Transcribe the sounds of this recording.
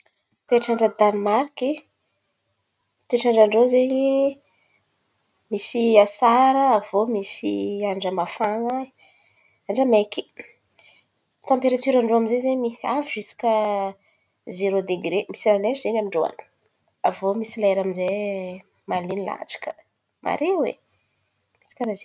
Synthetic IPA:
t̪eʈ͡ʂaɳɖ͡ʐəd̪animarki | t̪eʈ͡ʂaɳɖ͡ʐaɳɖ͡ʐozeɲi | misiasaɾəːvomisiaɳɖ͡ʐəmafaŋə | aɳɖ͡ʐəmeki̥ | t̪ãmpeɾat̪yɾaɳɖ͡ʐoamizezemiaviʒisi̥kə | zeɾod̪eɡɾemisilaleʈ͡ʂzenamiɳɖ͡ʐoa̰n | avomisileɾaminze | malinila̰t͡sḁkə̥ | mʔa̰ɾewḛ | misi̥kaɾaze

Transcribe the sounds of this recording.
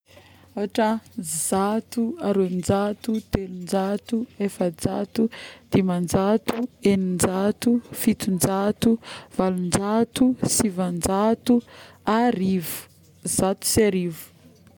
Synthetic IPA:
aɦaʈ͡ʂəzat̪uaɾoend͡ʒat̪ut̪elund͡ʒat̪uefəd͡zat̪ud̪̥imand͡ʒat̪uenind͡ʒat̪ufit̪und͡ʒat̪uvalund͡ʒat̪usivand͡ʒat̪uaɾivu̥ | zat̪u̥saɾivu̥

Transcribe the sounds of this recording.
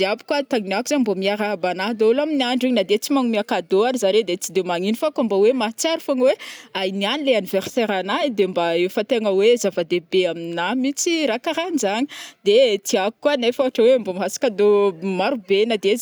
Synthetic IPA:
ziabi̥kwat̪aŋinakuzaɲmbomiaɾaɦabanaɦd̪olaminiaɳɖ͡ʐiɲinad̪et͡simaŋumiakad̪oaɾizaɾed̪et͡sid̪emaŋinifakambawemat͡saɾufaŋiweajnianileaniverseɾanaid̪embaefat̪eŋəwezavad̪ebeaminamit͡siɾakaɾanizaɲi̥d̪et̪iaku̥kwanajfaaʈ͡ʂəwembomɦasḁkad̪omaɾubenad̪eez

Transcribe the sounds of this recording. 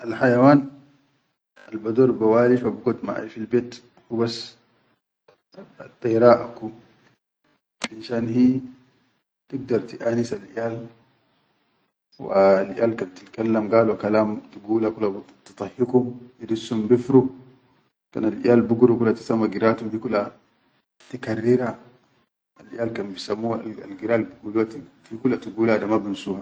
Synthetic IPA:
ʔalħajawaːn | a̰lbad̪oːɾbawaːlifabuɡot̪ma̰ʔa̰lfilbeːt̪ | hubas | at̪ːajɾaːʔaku | ʔinʃaːnhiː | t̪iɡ̚d̪ɑɾˤt̪iʔaːnisalʔijaːl | wa̰ːlʔḭjaːlkant̪ilkalːamɡaːlwakalaːmt̪iɡuːlakula | t̪ɨ̥t̪ˤɑhikumidisːumbifɾu | ka̰nalʔḭjaːlbuɡuɾukulat̪i̥samːaɡiɾat̪umfikula | tikarːiɾa | alʔijaːlkanbisamːuaa̰lɡiɾaːlbiɡuluatifikulat̪iɡuːladamabinsuːha

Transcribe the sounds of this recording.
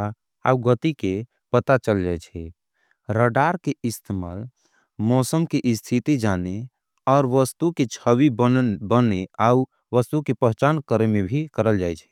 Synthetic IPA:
a | a̰uɡət̪ike | pət̪at͡ʃəld͡ʒajt͡ʃʰɛ | ɾəɖaɾkeist̪ʰema̰ːl | mɔsəmkeʔɪst̪ʰit̪id͡ʒane | ɔːɾʋəst̪uket͡ʃʰəwibəneau | ʋəst̪ukepəɦt͡ʃankəɾemebʱikəɾəld͡ʒajt͡ʃʰɛ̥

